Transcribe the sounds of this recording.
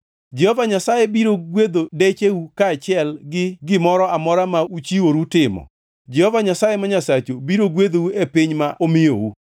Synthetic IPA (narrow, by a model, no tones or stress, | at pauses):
d͡ʒɛhɔvaɲasajebiɾoɡwed̪odet͡ʃewukaːt͡ʃɪɛlɡɪɡɪmɔɾɔamɔɾamaut͡ʃiwoɾutɪmɔ̰ | d͡ʒɛhɔvaɲasajemaɲasat͡ʃobiɾoɡwed̪ouepɪɲmaʔomɪjo̰wu